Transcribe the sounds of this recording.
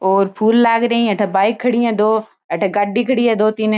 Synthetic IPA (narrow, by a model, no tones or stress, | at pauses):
oːɾpʰuːlːaːɡɾɐĩɐʈʰabaːɪkʰːɐɽijãːd̪oː | ɐʈʰaɡaɖikʰəɽiɦɛd̪oːt̪in